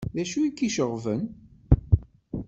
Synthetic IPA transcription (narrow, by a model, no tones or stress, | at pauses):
ðæʃuikːiʃəʁvən